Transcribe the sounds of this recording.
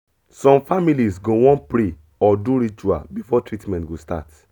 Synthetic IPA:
sɔ̃mfamilisɡowɔ̃npɹe | ɔduɾit͡ʃua̰lbifɔtɹitmɛ̃ntɡosta̰t

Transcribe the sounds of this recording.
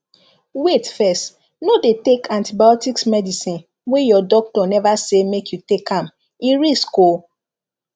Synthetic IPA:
wetfɛst | nodetekʰãntibajɔtiksmɛdisĩn | wejɔdɔk̚tɔnɛvasemekʰjutekʰãm | iɹisko

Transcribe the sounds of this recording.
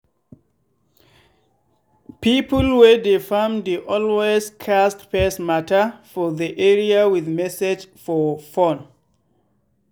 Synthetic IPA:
pipəlwedefamdeʔɔlwezkʰastpɛsmatəfɔðiʔɛɹiawɪðmɛsɪd͡ʒfɔfɔ̃n

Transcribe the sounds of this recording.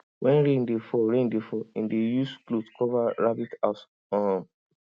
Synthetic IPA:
wʔɛ̃nɾẽndefɔɾẽndefɔĩndejusklotkɔvaɹabitas | ɔ̃

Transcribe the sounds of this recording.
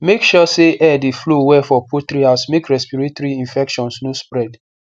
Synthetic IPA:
mekʃɔseʔɛdiflowɛfɔpʰotɾiasmekɹɛspiɹetoɾiĩnfɛkʃɔ̃nsnospɹɛd

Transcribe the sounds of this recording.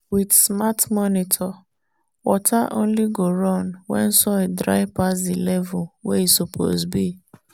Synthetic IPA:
widsmatmɔnitʰɔ | wɔtʰaʔõ̰nliɡoɾɔ̃nwɛ̰̃n̩sɔedɾa̰ɪpasilɛvulweisopʰo̰zbi

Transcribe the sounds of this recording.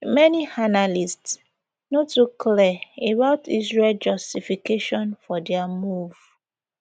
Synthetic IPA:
mɛnianalists | notukʰlɛebaʊtisɹɛld͡ʒɔstifikeʃɔ̃nfɔdɛamuv

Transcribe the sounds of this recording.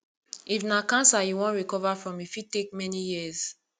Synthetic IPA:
ifnakãnsajuwɔ̃nɹikɔvafɹɔ̃mifitek̚mɛnijiz

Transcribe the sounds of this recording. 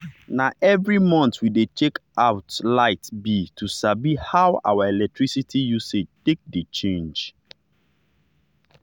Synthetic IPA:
naʔɛvɹimɔ̃ntwidet͡ʃekʔaʊtlaɪtbitʰusabihawa̰waɛlɛk̚tʰɹisitʰijusetek̚det͡ʃẽnd͡ʒ

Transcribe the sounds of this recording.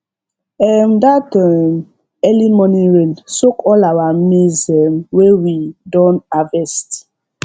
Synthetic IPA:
ɛmdatam | ɛlimɔ̃niɹensokʰɔlawamezɛmwewidɔ̃navɛst

